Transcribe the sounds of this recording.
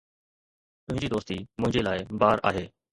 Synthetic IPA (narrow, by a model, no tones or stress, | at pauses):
t̪ʊɦɪ̃ɲd͡ʑiːd̪oːst̪iːmʊ̃ɦɪ̃ɲd͡ʒeːlaːɪbaːɾʔa̰ːɦeː